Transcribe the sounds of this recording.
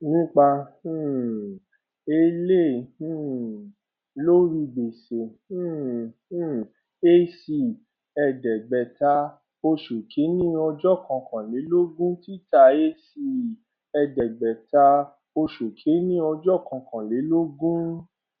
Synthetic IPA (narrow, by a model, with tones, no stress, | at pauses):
nĩ˦k͡pã˧˦˨ | e˦lẽ˦˨˦ | lo˦ɾi˧ɡ͡be˨sẽ˨˦˨ | e˦si˧ | ɛ˨dɛ˨ɡ͡bɛ˨ta˧ | o˧ʃo˨kʰe˨˦nĩ˦ɔ˧d͡ʒɔ˦˨kã˨˧kã˨le˨˦lo˦ɡũ˦ti˦ta˦˨e˦si˧ | ɛ˧dɛ˨ɡ͡bɛ˨ta˧ | o˧ʃo˨kʰe˨˦nĩ˦ɔ˧d͡ʒɔ˦˨kã˧kã˨le˨˦lo˦ɡũ˦